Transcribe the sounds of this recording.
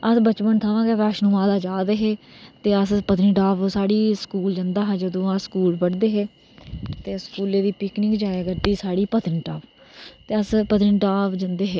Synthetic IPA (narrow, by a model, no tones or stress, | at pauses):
əsbət͡ʃpənt̪ʰaːʋãːɡeːʋɛːʃnũːʋaːd̪aːd͡ʒaːd̪eːɦeːt̪eːəspət̪nĩːʈaːpsaːɽiːskuːld͡ʒənd̪aːɦɛ̃ːd͡ʒəd̪õːãːskuːlbəɽd̪eːɦeː | t̪eːskuːleːd̪iːpɪknɪŋkd͡ʒaːeːɡəɾd̪iːsaːɽiːpət̪nʈaːp | t̪eːəspət̪ɪnʈaːpd͡ʒənd̪eːɦeː